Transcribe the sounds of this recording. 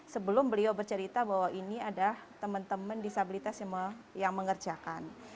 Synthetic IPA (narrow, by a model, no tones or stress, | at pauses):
səbəlʊmbəliabərt͡ʃəɾit̪abaɦwainiadalaht̪əmənt̪əməndisabilit̪asjməjaŋməŋərd͡ʒakan